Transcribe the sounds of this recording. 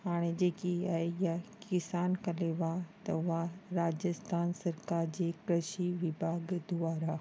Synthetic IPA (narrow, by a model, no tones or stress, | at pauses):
haːɽ̃ed͡ʑeːkiaɦejakɪsaːnkɐleʋat̪ɐ̰ʊɦaɾaːd͡ʑəst̪ʰaːnsɐɾkaːɾd͡ʑeːkɾəʃiʋɪbʱaːɡd̪ʊaːɾaː